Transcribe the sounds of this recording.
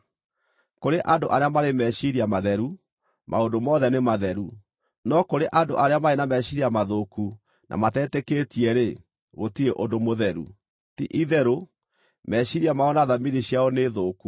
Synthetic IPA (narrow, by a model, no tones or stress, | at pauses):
koɾeʔandoʔaɾeamaɾemɛɕiɾiamaðɛɾu | mʔa̰ondomɔðɛnemaðɛɾu | nɔkoɾeʔando̰ʔaɾeamaenamɛɕiɾiamaðoku | nʔa̰matɛːtɛketiɛɾe | ɣotiɾeʔondomoðɛɾṵ | tḭʔiðɛɾo | mɛɕiɾiamaɔnaðaminiɕiaɔneːðoːku